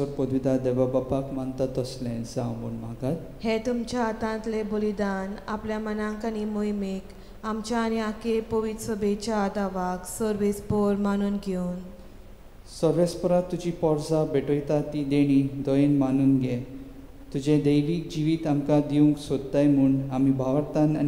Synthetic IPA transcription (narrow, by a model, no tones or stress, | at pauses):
əɾpɔd̪ʋid̪ad̪eʋabapakmant̪at̪əslẽnsãbunmaɡat̪̚ | het̪umt͡ɕjaːt̪ãnt̪lebolid̪anapljamənãkañimojmek | amt͡ɕjaːñiakepoʋid̪səbʱet͡ɕaːd̪aʋaksəɾʋespɔɾmañuːnɡʱon | səɾʋespɔɾat̪ːud͡ʑipɔɾsabeʈojt̪at̪id̪eɽ̃id̪ɔjenmanuːnɡe | t̪ud͡ʑed̪əjʋiːk̚d͡ʑiʋiːt̪amkad̪iũŋksod̪ːajm̤uːɳɖamibʱaʋəɾt̪ana